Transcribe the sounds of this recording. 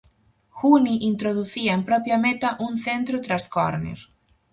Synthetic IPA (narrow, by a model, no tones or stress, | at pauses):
xuniʔint̪ɾoðuθiaempɾɔpjamet̪aʔunθent̪ɾʊt̪ɾasko̰ɾnḛɾ